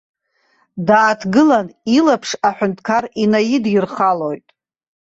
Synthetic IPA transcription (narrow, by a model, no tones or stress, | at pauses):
daːtʰɡɨlanilapʰʂaħʷᶣʊntʰkʰarinajidɪrχalo̞jtʼ